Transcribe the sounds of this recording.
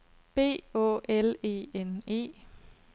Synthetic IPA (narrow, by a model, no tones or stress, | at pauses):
b̥e̝̰ːɔ̰ːʔele̝̰ːene̝̰ː